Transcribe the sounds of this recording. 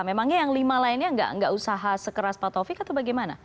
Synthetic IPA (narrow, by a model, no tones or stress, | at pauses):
memaŋɲajaŋlimalainɲaəŋɡa̰ʔə̰ŋɡa̰ʔusaɦasəkəɾaspat̪ofɪkat̪awbaɡɛjmana